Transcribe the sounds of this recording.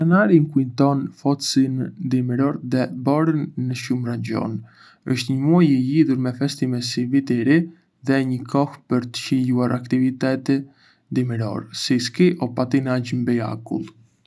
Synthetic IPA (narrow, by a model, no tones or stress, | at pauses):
anaɾiŋkuint̪ɔnfɔt̪sind̪imɾɔɾðɛbɔɾənːəʃumraɲɟɔ̰n | əʃt̪ɲəmuajɛliðuɾmɛfɛst̪imɛsivit̪ɛɾi | ðɛɲəkʰɔxpəɾt̪ə̥ciluaɾakt̪ivit̪ɛt̪ɛ | d̪iməɾɔ̰ɾsiskiʔɔpat̪inaɟmbɛa̰kṵlˠ